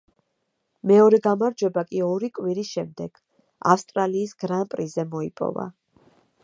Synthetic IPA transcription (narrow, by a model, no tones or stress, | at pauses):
mɛɔɾɛɡamaɾd͡ʒwɛbakʼiɔɾikʼwiɾisʃɛmd̪ɛɡ̥ | a̰fst̪ʼɾaliːsɡ̥ɾanpʼɾizɛmɔipʼɔ̰va̰